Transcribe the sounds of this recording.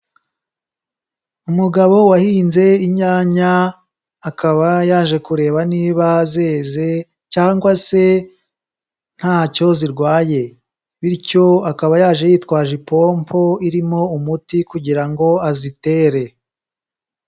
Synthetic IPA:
umuɡaβo̞wahiːnze̞iɲaːɲaː | kaβajaːʒe̞kuɾe̞ːβaniːβaze̞ːze̞ | caːŋɡwase̞ | n̥haːco̞ziɾɡwaːje̞ | βiɾco̞akaβajaːʒe̞jiːtwaːʒipo̞ːmpʰo̞iɾimo̞umutikuɟiɾaŋɡo̞azite̞ːɾe̞

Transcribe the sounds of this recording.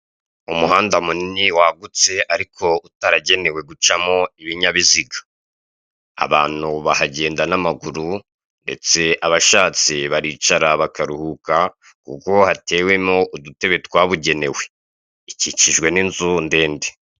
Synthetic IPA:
umuhaːndamuniniwaɡut͡se̞aɾikʰo̞utaɾaɟe̞ne̞we̞ɡut͡ʃamŋo̞iβiɲaβiziɡḁ | a̰βa̰ːn̥huβahaɟe̞ːndanamaɡuɾu | nde̞̰t͡se̞ʔaβaʃaːt͡siβaɾit͡ʃaɾaβakaɾuhuka | kṵko̞hatʰe̞ːwe̞mŋo̞ʔudute̞βe̞twaβuɟe̞ne̞we̞ | icit͡ʃiʒɡwe̞ninzunde̞ːnde̥

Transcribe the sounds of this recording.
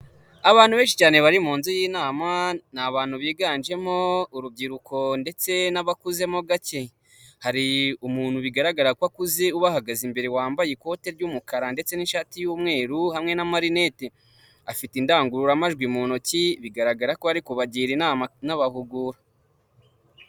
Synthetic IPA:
aβaːnhuβeːnʃit͡ʃaːne̞βaɾimuːnzujiːnaːmanaβaːnhuβiːɡaːnd͡ʒe̞mo̞uɾub̚ɟiɾuko̞nde̞t͡se̞naβakuze̞mo̞ɡace | haɾiumuːn̥huβiɡaɾaɡaɾakwakuzeuβahaɡazimbe̞ɾewaːmbajeko̞te̞ɾɟuːmukaɾande̞t͡se̞ninʃatijuːmŋe̞ːɾuhamŋe̞namaɾine̞te | afitindaːŋɡuɾuɾamaʒɡwimuːnociβiɡaɾaɡaɾakoaɾikoβaɟiːɾinaβahuɡuːɾa

